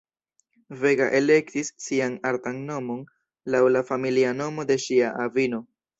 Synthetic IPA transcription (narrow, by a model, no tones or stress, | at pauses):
ve̞ɡa̰ʔe̞le̞ktisːianaɾtanːo̞mo̞n | lawlafamiliano̞mo̞de̞ʃiaʔavino̞